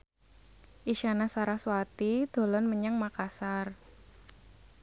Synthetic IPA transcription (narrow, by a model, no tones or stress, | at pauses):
ʔiʃanasaɾahswat̪id̪̥o̤lɔnməɲaŋmakasar